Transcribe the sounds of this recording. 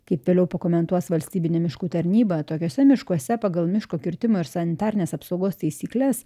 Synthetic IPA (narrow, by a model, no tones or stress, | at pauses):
kɐɪpʋʲeːlʲɛʊpɐkoːmʲɛnt̪uɔsʋɐlʲsʲt̪ʲiːbʲɪnʲɛmʲɪʃkuːt̪ɐɾʲnʲiːbɐt̪oːkʲoːsʲɛmʲɪʃkuɔsʲɛpɑɡɐlˠmʲɪʃkoːkʲɪɾʲt̪ʲɪmoːɪɾsɐnʲɪt̪ɑːɾʲɪnʲeːsɐpsɐʊɡoːst̪ɐɪsʲiːklʲɛs